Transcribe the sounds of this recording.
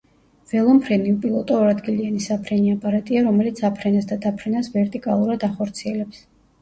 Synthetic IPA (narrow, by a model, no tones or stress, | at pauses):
v̥ɛlˠɔmpʰɾɛnipʼilˠɔt̪ʼɔːɾad̪ɡilianisapʰɾɛniapʼaɾat̪ʼiaɾɔmɛlit̪sʰapʰɾɛnasd̪ad̪apʰɾɛnasvɛɾt̪ʼikʼalˠuɾad̪aχɔɾt̪sʰiɛlɛps